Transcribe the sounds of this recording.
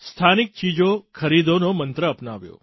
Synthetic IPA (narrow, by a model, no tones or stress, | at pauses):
st̪ʰanik̚t͡ʃid͡ʒokʰəɾid̪onomənt̪ɾəəpnaʋjo̰